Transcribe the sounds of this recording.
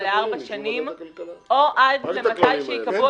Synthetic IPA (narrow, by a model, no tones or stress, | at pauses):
leaʁbaʃanimʔoʔadlemmat̪ajʃeikavu